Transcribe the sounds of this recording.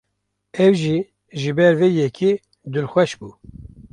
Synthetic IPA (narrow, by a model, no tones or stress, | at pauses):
ɛwʒiː | ʒɨbɛɾvejɛkʰi | d̪ulxʷɛʃbuː